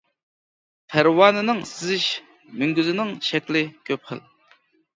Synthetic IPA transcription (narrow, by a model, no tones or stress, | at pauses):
pʰæɾwɑnɨnɨŋsɪzɪʃ | myŋɡʲyzɪnɪŋʃɛkʲlɪkʲʰøp̚χə̰l